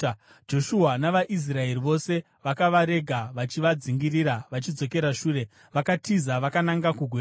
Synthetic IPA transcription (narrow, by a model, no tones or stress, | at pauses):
d͡ʒo̞ʃuɦanaʋaʔis̬rae̞riʋo̞se̞ | ʋakaʋaɾe̞ɡʱaʋat͡ʃiʋad͡ziŋɡiɾiɾaʋat͡ʃid͡zo̞ke̞ɾaʃuːre̞ | ʋakatizaʋakanaŋɡakuɡʱweː